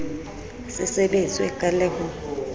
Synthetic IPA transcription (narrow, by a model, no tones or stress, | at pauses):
sɛsɛɓend͡zʼiɛ̰kʼalɛŋɔ